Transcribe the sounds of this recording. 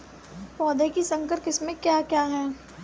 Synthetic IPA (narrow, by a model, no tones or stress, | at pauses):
pɔːd̪ekisɐ̃ŋkəɾkɪsmẽkjaːkjaːɦɛː